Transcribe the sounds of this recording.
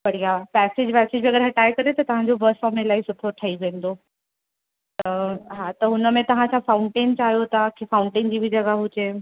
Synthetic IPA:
pɐɽ̤ijapɛːsed͡ʑpɛːsed͡ʑbiɐɡəɾɦɐʈaːekɐɾet̪ɐt̪ɐʋ̤ãɲd͡ʑobɐsfɔːmelaːisʊpʰɾoʈʰːaiʋẽːn̆d̪o | t̪ɐɦat̪ɐɦʊnəmẽt̪ɐʋ̤ãt͡ɕʰafaʊɳʈẽːnt͡ɕaːɦijot̪akʰifaʊ̃ɳʈẽnd͡ʑiːbʱid͡ʑɐɡaɦʊd͡ʑe

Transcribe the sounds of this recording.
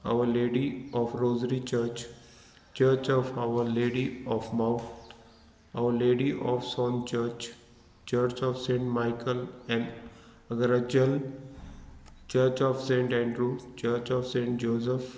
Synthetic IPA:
a̰ʋəɾleːɖiɔːfɾoːzɾit͡ʃəɾt͡ʃ | t͡ʃəɾt͡ʃɔːfaʋəɾleːɖiɔːfmaʊ | aʊəɾleːɖiʔɔːfsɔ̃ːnt͡ʃəɾt͡ʃ | t͡ʃəːɾt͡ʃɔːfsẽːɳʈmaɪkəlɛ̃ɳɖ | əɡəɾəd͡ʒəl | t͡ʃəːɾt͡ʃɔːfsẽːɳʈɛ̃ɳɖɾut͡ʃəːɾt͡ʃɔːfsẽːɳʈd͡ʒoːsəf

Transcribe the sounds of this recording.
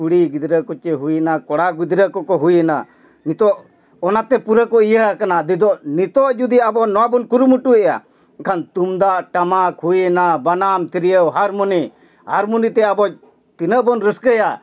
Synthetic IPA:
uɽiɡid̪ɾəkɔt͡ʃɛɦujɛnakɔɽaɡid̪ɾəkɔkɔɦujɛna̰ | nit̪ɔʔ | ɔnat̪ɛpuɾəkɔijəɦkanad̪id̪ɔʔnit̪ɔʔd͡ʒud̪iabɔnɔwabɔnkuɾumuʈuɛja̰ | kʰant̪umd̪aʔʈamakʰujɛnabanamt̪iɾijəwɦaɾmuni | haɾmunit̪ɛabɔ | t̪inəʔbɔnɾəskəja

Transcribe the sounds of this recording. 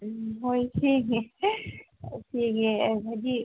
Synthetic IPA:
ɦoitʰikɛ | ʈʰiːkɛbʱad͡ʒi

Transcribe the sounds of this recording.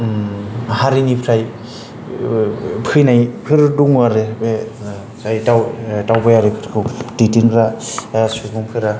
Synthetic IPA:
haɾinipʰɾaj | pʰɯjnajpʰɯɾduŋaɾebe | sajtawtawbajaɾepʰɯɾkʰɯwditiŋɾasukuŋpʰɯɾa

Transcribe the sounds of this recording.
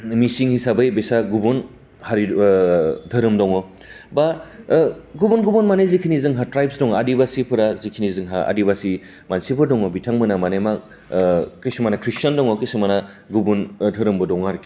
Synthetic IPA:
misiŋhisabɯjbesaɡubun | haɾi | dʰʱɯɾɯmdɔŋɔ | ba | ɡubunɡubunmanezikʰinizɯŋɦatɾajp̚sdɔŋɔadibasipʰɯɾazikʰinizɯŋɦaa̰dibasi | mansipʰɯɾdɔŋɔbitʰaŋmɯnamanema | kisumanakʰɾisandɔŋɔkisumana | ɡubundʰʱɯɾɯmbɯdɔŋaɾki̥

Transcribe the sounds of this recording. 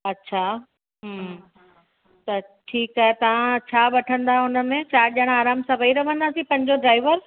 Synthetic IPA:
ɐtːɕʰaː | ɦm | t̪ɐ | ʈʰiːkaːɦet̪ɐʋ̤ãt͡ɕʰaːɓɐʈʰə̃nd̪aɦʊnə̆mẽt͡ɕaːɾʄɐɽ̃aːɾaːmsɐbʱiɾɐʋə̃nd̪aːsĩpɐ̃ɲd͡ʑoɖɾaːɪʋəɾ

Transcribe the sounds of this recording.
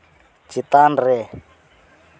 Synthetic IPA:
t͡ʃit̪anrɛ

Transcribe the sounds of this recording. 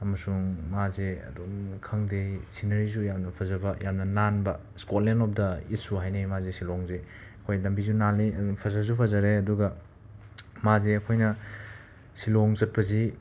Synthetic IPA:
ɐmɐsuŋmazeɐ̰domkʰɐŋdesʰinɐɾizujamnɐpʰɐzɐbɐjamnɐnanbɐ | skot̚lenɔp̚dɐit̚suɦajnemazesilɔŋze | ɐkʰojlɐmbizunaliɐpʰɐzazupʰɐzɐɾeɐduɡɐ | mazeɐkʰojnɐ | silɔŋzɐt̚pɐzi

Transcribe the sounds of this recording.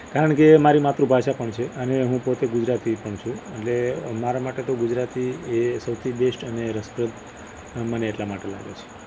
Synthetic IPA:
kaɾəɳkemaɾimat̪ɾũbʱaʃapəɳt͡ʃʰeʔəneɦũpot̪eɡʊd͡ʒɾat̪ipəɳt͡ʃʰũeʈlemaɾamaʈet̪oɡud͡ʒɾat̪iesəwt̪ʰibeʃʈəneɾəspɾət̪ | məneːʈlamaʈela̰ɡḛt͡ʃʰe̥

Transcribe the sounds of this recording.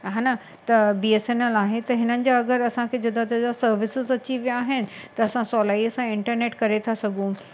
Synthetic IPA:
ɦaːna | t̪ɐbiːesenəlaːɦet̪ɐɦɪnənɪ̆d͡ʑaɐɡəɾɐsãkʰed͡ʑʊd̪ʱat̪ɐd͡ʑasɐɾʋɪsɪzɐt͡ɕiʋijaːɦɪnɪ̆t̪ɐɐsãsɔːlaːiəsãɪ̃ɳʈəɾneːʈkɐɾet̪ʰasɐɡʱũ

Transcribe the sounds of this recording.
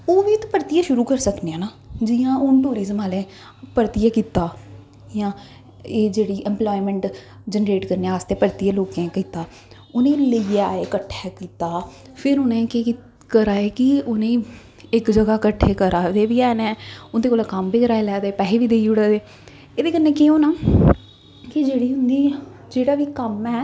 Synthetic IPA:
oːʋiːt̪ːpəɾt̪ijãːʃʊɾuːkəɾsəkneãːnaː | d͡ʒiːãːʊnʈuːɾiːzəmaːlẽː | pəɾt̪ijaːkiːt̪aː | jãː | eːd͡ʒeːɽiːʔɛmplɔːimə̃ɳʈ | d͡ʒənɾeːʈkəɾneaaːst̪eːpəɾt̪ijãːloːkẽːkiːt̪aː | ʊnẽːləiaːeːkəʈʰːaːkiːt̪aː | pʰɪɾʊnẽːkeː | kəɾaːeːkɪʊnẽ | ɪkd͡ʒəɡaːkəʈʰːeːkəɾaːʋeːʋiːɛːnɛ̃ːʊnd̪eːkoːlakəmbiːkəɾaːeːlɛːd̪eːpɛːɦeːʋiːd̪eːiʊɽɛːd̪eː | eːd̪eːkənːẽːkeõːnaː | kɪd͡ʒeːɽiːɦʊnd̪iːd͡ʒeːɽaːʋiːkəmɛː

